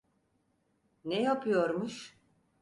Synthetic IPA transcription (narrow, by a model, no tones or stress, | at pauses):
nejapʰɯjoɾmuʃ